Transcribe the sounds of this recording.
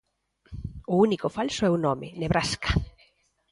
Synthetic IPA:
ʊunikofalsoɛunɔmɪneβɾaskḁ

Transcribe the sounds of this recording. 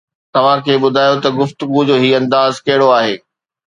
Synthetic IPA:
t̪ɐʋ̤ãkʰeːɓʊd̪ʱaːjot̪ɐɡʊft̪ʊɡud͡ʑoːɦiːɐ̃nd̪aːzkɐɦɪɽoaːɦeː

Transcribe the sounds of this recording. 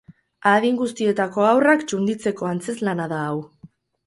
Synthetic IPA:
aðiŋɡust̪ie̞t̪ako̞awrakt͡ʃund̪it͡se̞ko̞ant͡se̞zlanaðaːw

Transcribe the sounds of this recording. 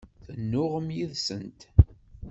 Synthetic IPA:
θənːʊʁəmjiðsənt̪

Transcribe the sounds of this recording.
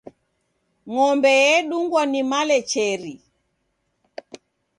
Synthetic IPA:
ŋɔmbɛjɛɗuŋɡwɔnimalɛt͡ʃɛɾi

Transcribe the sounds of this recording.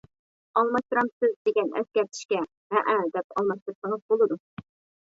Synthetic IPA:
ɑlˠmɑʃt̪ɨɾɑmsɪzd̪eɡʲɛnɛ̰skʲɛɾt̪ʰɪ̥ʃkʲɛ | ɦɛʔɛd̪ɛp̚ɑlˠmɑʃt̪ɨɾsəŋəzbolˠɨd̪u

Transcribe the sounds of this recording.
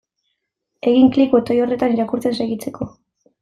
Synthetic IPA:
e̞ɣiŋklikuet̪ojo̞re̞t̪aniɾakuɾt͡se̞nseɣit͡se̞ko̞

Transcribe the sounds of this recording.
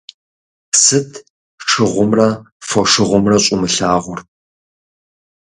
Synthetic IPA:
sɨtʰ | ʂɨʁʷʊmrɐ | fɔʂɨʁʷʊmrɐɕʼʊmɨɬaːʁʷʊr

